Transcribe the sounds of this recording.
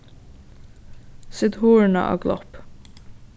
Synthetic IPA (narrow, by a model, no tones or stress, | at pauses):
sɪd̪huːɹɳɑ̰ʔɑ̰ːɡlʔɔ̰p